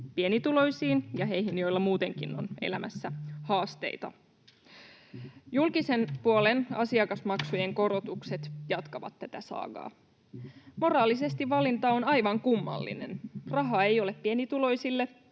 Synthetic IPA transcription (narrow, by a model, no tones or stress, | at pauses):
pie̞nit̪ulo̞jsiːnjɑɦe̞jɦinjojlːɑmuːt̪e̞ŋkinːo̞̰nḛlæmæsːæhɑːst̪e̞̰jt̪ɑ̰ | julkise̞npuole̞nɑ̰siɑkɑsmɑksujeŋko̞ɾot̪ukse̞t̪jɑt̪kɑʋɑ̰t̪ːæt̪æsɑ̰ːɡɑ̰ː | mo̞rɑːlise̞st̪iʋʋɑlint̪ɑonɑjʋɑŋkumːɑ̰lːḭne̞nrɑɦɑejo̞lepːie̞nit̪ulo̞jsilːe